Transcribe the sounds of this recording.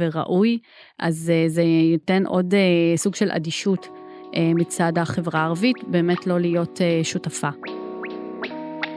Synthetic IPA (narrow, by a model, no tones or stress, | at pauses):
veʁa̰ʔuj | ʔazezeite̞nʔo̞desuɡʃelʔa̰diʃut | ʔemit͡sadaχe̞vʁaːʁavitbe̞ːme̞tlo̞lijo̞teʃutafa